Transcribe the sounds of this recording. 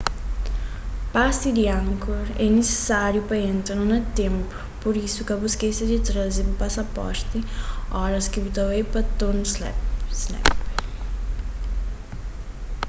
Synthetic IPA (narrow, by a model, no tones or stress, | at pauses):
pasid̪iãŋkoɾɛnese̥saɾjʊpɐẽnt̪ɾanɐnɐt̪ẽmpʊ̥poɾisʊkɐbuskesɪd̪ɪt̪ɾɐzɪbupasapɔ̰ɾt̪ɪɔɾɐskɪbut̪ɐwejpɐt̪onslɛ̰psnɛ̰p